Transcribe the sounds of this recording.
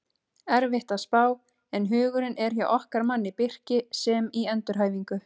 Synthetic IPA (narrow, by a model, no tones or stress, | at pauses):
ɛɾvɪht̪aðspaːw | ɛnɦʏːɣʏɾɪnɛɾ̥çja̰ʔɔhkaɾmanːɪpɪr̥cɪsɛmiɛnt̪ʏɾɦaːjviŋkʏ